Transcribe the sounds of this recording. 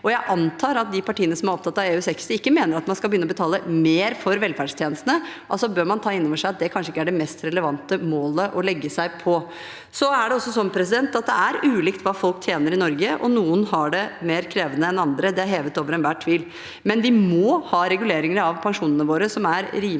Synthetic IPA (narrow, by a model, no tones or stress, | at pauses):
ɔjæɪʔɑnt̪ʰɑːɾɑt̪̚d̪ɪpʰɑʈiːənəsɔmæɾɔp̚t̪ʰɑt̪ːɑʋeːʉsɛksəɪkːəmeːnəɾɑt̪mɑnskɑlbəjʏnːɔbət̪ʰɑːləmeːɾfɔɾʋɛlfæɖʂt̪ʰjeːnəst̪ənəʔɑlsɔbøːɾmɑnt̪ʰɑːɪnːɔʋəʂæɪɑt̪̚d̪ɛkʰɑnʂəɪkːəæɖɛmɛst̪ɾɛləʋɑnt̪əmoːləʔɔlɛɡːəsæɪpʰɔ | sɔæɖɛɔsːɔsɔmpʰɾɛsɪd̪ɛnt̪ɑt̪̚d̪ɛæɾʉːliːkt̪ʋɑːfɔlk̚t̪ʰjeːnəɾɪnɔɾɡəʔɔ̰nuːənɦɑɖɛmeːɾkʰɾeːʋənəɛnɑnd̪ɾəd̪ɛæɾɦeːʋət̪oːʋəɾɛnʋæːʈʰːʋiːl | mɛnʋɪmɔhɑːɾɛɡʉleːɾɪŋəɾəɑʋpʰɑŋʂuːnənəʋoːɾəsɔmæɾɾiː